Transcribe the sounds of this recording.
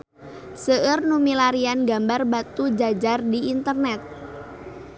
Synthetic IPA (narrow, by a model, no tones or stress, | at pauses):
səʔərnumilaɾianɡambarbat̪ud͡ʒad͡ʒardiint̪ərnɛt̪̚